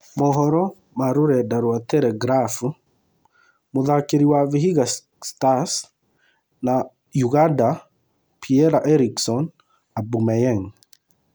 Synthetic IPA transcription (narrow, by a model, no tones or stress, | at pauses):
mɔɦɔɾɔ | maɾoɾɛdaɾwatɛlɛɡɾafu | moðakeɾiwaviɦiɣa | stas | na | juɣanda | pʰiɛɾaʔɛɾiksɔn | abumɛjɛŋ